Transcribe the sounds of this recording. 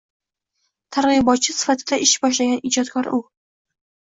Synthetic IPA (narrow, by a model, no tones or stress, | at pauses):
t̪ʰaɾʁɨbɒt̪̚t͡ʃʰɪsɪ̥fat̪ʰɪd̪aɪʃbɒʃ̬laɡʲanɪd͡ʒɒt̪kʰɒɾʊ